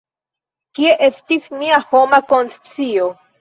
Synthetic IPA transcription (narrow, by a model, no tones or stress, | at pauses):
kie̞ʔestismiaho̞mako̞nst͡sio